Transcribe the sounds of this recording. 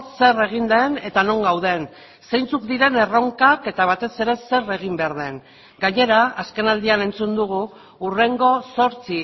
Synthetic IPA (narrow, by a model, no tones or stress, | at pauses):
se̞re̞ɣ̞ind̪e̞ne̞t̪ano̞ŋɡawð̞e̞n | se̞jnt͡sukd̪iɾe̞ne̞rowŋkake̞t̪aβ̞at̪e̞se̞ɾe̞se̞re̞ɣimbe̞aɾð̞e̞ŋ | ɡaɲe̞ɾaaske̞nald̪iane̞nt͡sund̪uɣ̞uː | re̞ŋɡo̞so̞ɾt͡si